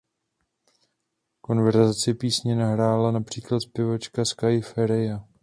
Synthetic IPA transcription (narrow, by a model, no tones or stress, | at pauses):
ko̞nvɛɾzat͡sɪpiːsɲɛnaɦɾaːlanapr̝̥iːklat̪spɪvot͡ʃkaskajɪfɛɾɪja